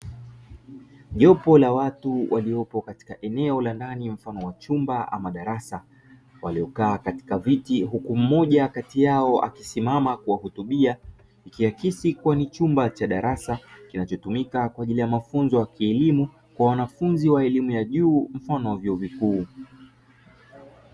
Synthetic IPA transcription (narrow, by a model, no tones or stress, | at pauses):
ʄɔpɔlawatuwʔa̰liɔpɔkati̥kaʔɛnɛɔlandanim̩fanɔwat͡ʃumbaʔa̰maɗaɾasa | waliɔkaːkati̥kavitiɦukum̩mɔʄakatijaɔa̰kisimamakuwahutuɓia | ikiwakisikuwanit͡ʃumbat͡ʃaɗaɾasakinat͡ʃɔtumikakwaːʄilijamafunzɔjakiɛlimu | kwawanafunziwaɛlimujaʄuːm̩fanɔwavjɔɔvikuː